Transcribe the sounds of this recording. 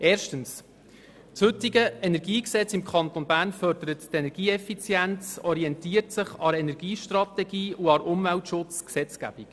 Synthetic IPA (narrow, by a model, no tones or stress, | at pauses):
ʔeːrʃtəns | tshɵtiɡəɛnɛɾɡiːksɛt͡sɪmkʰɑnt̪onbæːɾnfœɾdəɾəttɛnɛɾɡiːɛfit͡sjænt͡sɔɾiɛntiːəɾtsɪχɑɾɛnɛɾɡ̥iːʃtrɑt̪ɛɡiːuɑɾʊmvæltʃʊt͡sksɛt͡skæ̰b̥ik